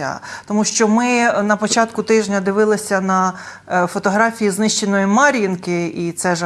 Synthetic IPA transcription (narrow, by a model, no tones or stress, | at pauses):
ɐ̰t̪ɔmuʃt͡ʃɔmɪnɐpɔt͡ʃɑt̪kʊt̪ɪʒnʲɐd̪ɪʋɪlˠɪsʲɐnɐ | fɔt̪ɔɦɾɑfʲijiznɪʃt͡ʃenɔjimɑɾʲjinkɪit̪sɛʒ